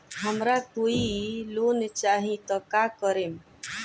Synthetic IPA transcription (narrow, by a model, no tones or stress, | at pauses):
ɦəmɾakoilont͡ʃaɦĩt̪əkakəɾem